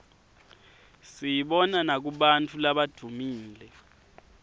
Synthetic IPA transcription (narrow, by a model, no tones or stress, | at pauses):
sijiɓɔnanak̬uɓantʰulaɓad̥ʱumiːlɛ